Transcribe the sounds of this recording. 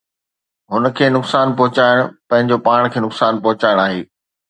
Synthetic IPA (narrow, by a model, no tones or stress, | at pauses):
ɦʊnə̆kʰeːnʊksaːnpɔɦʊt͡ɕaːɪɽ̃ʊpɐ̃ɦɪ̃ɲd͡ʑopaːɽ̃kʰeːnʊksaːnpɐɦʊt͡ɕaːɪɽ̃aːɦeː